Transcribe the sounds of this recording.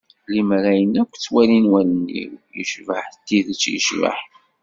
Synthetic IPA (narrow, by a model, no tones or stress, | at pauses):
limɾæjənækʷːt͡sːwælinwælənːḭwjə̰ʃvəħt̪ːiðət͡sːjə̰ʃvə̰ħ